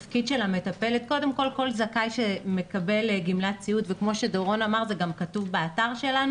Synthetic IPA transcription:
fkidʃe̞lame̞t̪ape̞let̪̚ko̞de̞mko̞lko̞lzakajʃeme̞kabe̞lɡimlatt͡siut̪vekmo̞ʃedoʁo̞namaʁzeɡamkɐtuvbeataʁʃe̞lanu

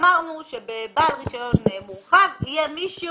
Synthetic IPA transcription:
maʁnuʃebebalʁiʃanonnemuχavhijɛmiʃi

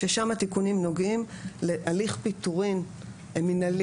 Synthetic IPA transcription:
ʃeʃamat̪ikunimnoɡimleʔaliχpit̪uʁin | eminal

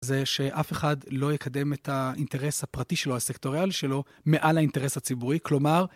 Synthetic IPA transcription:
zeʃe̞ʔafe̞χadlo̞jekʰade̞metainte̞ʁe̞shapʁatiʃe̞lo̞hase̞kto̞ʁialiʃe̞lo̞ | me̞ʔalhainte̞ʁeshat͡sibuʁiklo̞maʁ

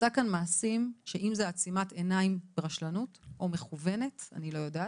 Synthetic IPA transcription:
takanmaːsimʃeʔimzeat͡simate̞naimbeʁaʃlanutʔo̞meχuve̞ne̞ta̰nilo̞jodaː

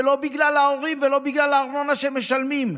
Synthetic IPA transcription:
elo̞biɡlalaoʁimvelo̞biɡlalaːʁno̞naʃemeʃalmim

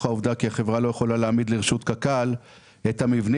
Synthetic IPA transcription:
auvd̪akiaχe̞vʁalo̞jeχo̞laleːmid̪liʁeʃut̪kakal | et̪hamivn

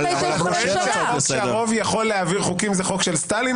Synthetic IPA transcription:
abesaʁo̞vjaχo̞lːeaviʁχukimzeχo̞kʃelst̪ali

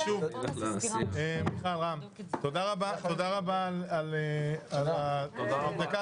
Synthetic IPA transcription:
ʃuv | emiχalʁam | t̪od̪aʁabatod̪aʁabalalealaad̪aka

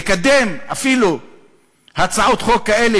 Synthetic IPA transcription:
kad̪e̞mafilu | hat͡saʕot̪χokkːaele

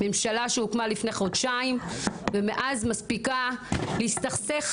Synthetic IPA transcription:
me̞mʃalaʃeukmalifne̞χod̪ʃaimvemeʔazmaspikaleist̪aχseχ

